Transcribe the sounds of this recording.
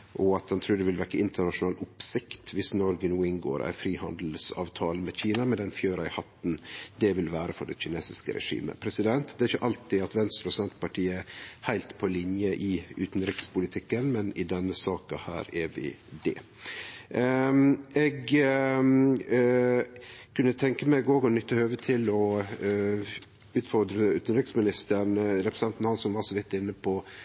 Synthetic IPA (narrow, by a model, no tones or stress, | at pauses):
ʔɔɑt̪hɑnt̪ʰɾʉːɖ̪ɛʋɪlʋækːəɪnt̪əɳɑʂʊnɑːlʊpsɪkt̪ʋɪsnɔɾɡənuːɪŋɡo̰ːɾʔæ̰ɪfɾiːhɑnd̪l̩sɑ̰ːʋt̪ʰɑːləmɛçiːnɑmɛd̪ɛnfjøːɾɑɪhɑt̪ːn̩d̪ɛʋɪlʋæːɾəfɔɖɛ̰çɪneːsɪskə̰ɾɛ̰ʂḭːmə̰pʰɾɛsɪd̪ɛnt̪d̪ɛæɾɪçːəʔɑlt̪ɪɑt̪ʋɛnst̪ɾɔsɛnt̪pɑʈʰiːəæhæɪlt̪pʰɔlɪnjəʔɪʉ̰ːt̪nɾɪkspʊlɪt̪ʰɪkːənmɛnɪd̪ɛnːəsɑːkɑhæ̰ːɾɛʋɪ̰d̪ɛ̰ | ɛɡ | kʰʉnːət̪ʰɛŋkəmæɪɡoːɡɔnʏt̪ːəhøːʋət̪ʰɪlɔ | ʉːt̪fɔɾd̪ɾəʉːt̪nɾɪksmɪnɪst̪əɳɾɛpɾəsɛnt̪nhɑnsɔmʋɑsɔʋɪt̪ːɪnːəpʰɔ